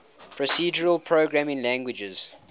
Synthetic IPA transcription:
pʰɹɔsiːd͡ʒəɹəlˠpʰɹoɡɹæmɪ̃ŋlæ̃ŋɡwɪd͡ʒəz̥

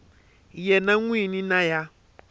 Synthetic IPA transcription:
jɛnaŋwininaja

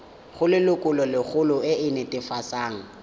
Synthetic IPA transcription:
χʊlɪlʊkʼʊlɔlɪχʊlʊɪɪnɛtʼɪfasaːŋ̩

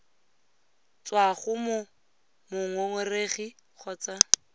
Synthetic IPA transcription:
t͡swaχʊmʊ | mʊŋwɛŋwɛreχiχɔːt͡sa

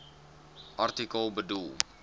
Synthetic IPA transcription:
ʔart̪ikəlˠbədulˠ

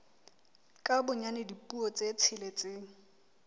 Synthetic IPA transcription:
kʼabʊɲanɪdipʼuɔt͡sʼet͡sʰɪlet͡sʼeːŋ̩

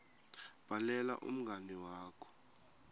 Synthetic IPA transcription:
b̥ʱalɛla̰ʔṵm̩ɡʱaniwaːkʰɔ̥

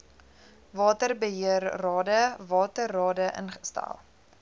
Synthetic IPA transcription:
vɑːtərbəɦiərːɑːdəvɑːtərːɑːdəʔə̰nχə̥stæ̰lˠ

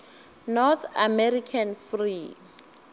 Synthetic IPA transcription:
nɔt̪ʰamɛrikʰanfri

